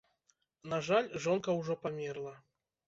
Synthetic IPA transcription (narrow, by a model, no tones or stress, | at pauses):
naʐalʲʐɔnkɐwʐɔpamʲɛrlˠɐ